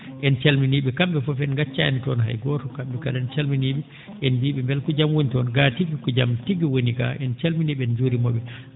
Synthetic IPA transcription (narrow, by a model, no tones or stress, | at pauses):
ʔɛnt͡ʃalminiːɓɛkamɓɛfɔfɛnɡat͡ʃːa̰nitɔnɦa̰jɡɔtɔkamɓɛkadɛnt͡ʃalminiɓɛ | ʔɛnbiːɓɛmbɛlkɔd͡ʒamwonitɔnɡatiɡikɔd͡ʒamtiɡiwonika̰ʔɛnt͡ʃalminiɓɛɛnd͡ʒuɾimɔɓɛ